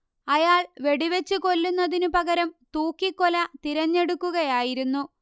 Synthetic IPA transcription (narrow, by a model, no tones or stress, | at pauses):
ɐjaːɭʋe̞ɽiʋet͡ɕːɨko̞lːunːɐðinupɐɣɐɾɐmt̪uːkːikːolɐt̪iɾɐɲːe̞ɽukːuɣɐjaːjiɾunːu